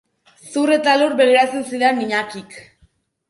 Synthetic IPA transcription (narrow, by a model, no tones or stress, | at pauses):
suret̪aluɾbe̞leɾat͡sensiðeniɲakik